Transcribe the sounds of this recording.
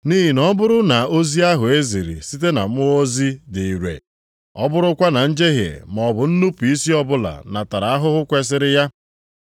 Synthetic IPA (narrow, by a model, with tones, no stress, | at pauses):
ni˦ɦi˨nɔ˦bʊ˦ɾʊ˦na˨o˦zi˦a˦ɦʊ˨e˦zi˨ɾḭ˨si˦te˦na̰˨m˦ʊ˦o˦zi˦di˨i˨ɾḛ˨ | ɔ˦bʊ˦ɾʊ˦kʷa˦na˨n̩˦d͡ʒe˦ɦjḛ˨m˨ɔ˨bʊ˨n̩˦nu˦pu˨i˦si˦ɔ˦bʊ˦la̰˨na˨ta˨ɾa˨a˦ɦʊ˦ɦʊ˦kʷe˦s̬ɪ˦ɾɪ˦ja˦